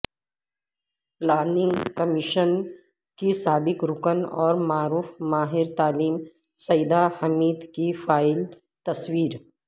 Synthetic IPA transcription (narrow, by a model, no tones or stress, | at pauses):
ləːɾnɪ̃ŋɡkɐmɪʃən | kisaːbɪkɾʊkənɔːɾmaːɾuːfmaːɦɪɾt̪aːliːm | sɐjd̪ahɐmiːd̪kifaːɪl | t̪ɐswiːɾ